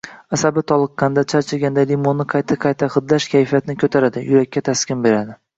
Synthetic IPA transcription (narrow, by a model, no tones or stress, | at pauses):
asabɪt̪ʰɒlˠɨqːɑnd̪at͡ʃʰaɾt͡ʃʰaɡʲand̪alimonːɪqʰɑjt̪ʰaqʰɑjt̪ʰaχɨd̪laʃkʲʰajfijat̪nɪkʰɵt̪ʰaɾad̪ɪjʊɾakʲːat̪ʰaskʲɪnbe̞ɾad̪ɪ